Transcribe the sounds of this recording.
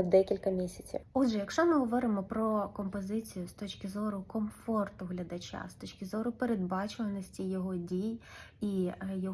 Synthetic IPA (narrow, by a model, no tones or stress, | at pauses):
d̪ɛkʲilʲkɐmʲisʲɐt͡sʲḭwudʒɛjɐkʃt͡ʃɔmɪɦɔʋɔɾɪmɔpɾɔkɔmpɔzɪt͡sʲijʊst̪ɔt͡ʃkɪzɔɾʊkɔmfɔrt̪ʊɦlʲɐd̪ɐt͡ʃʲa̰st̪ɔt͡ʃʲkɪzɔɾʊpeɾed̪̚bɑt͡ʃʊʋɐnɔsʲtʲijɔɦɔdʲijijɔ